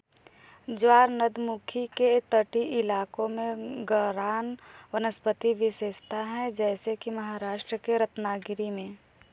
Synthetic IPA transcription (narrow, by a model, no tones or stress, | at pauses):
d͡ʒwaːɾnəd̪mukʰiket̪əʈiʔɪlaːkõmẽɡəɾaːnʋənəspət̪iʋɪseːʃt̪ʰaɦɛ̃d͡ʒɛːsekimɐɦaːɾaːʃʈɾəkeɾət̪naːɡɪɾimẽ